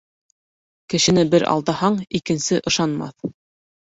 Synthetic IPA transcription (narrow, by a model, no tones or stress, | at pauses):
kɘ̆ʃɘ̆nɘbɘɾʔɑ̰lˠd̪ɑhɑɴikɘ̆nsɘʔɤ̆ʃɑnmɑ̰θ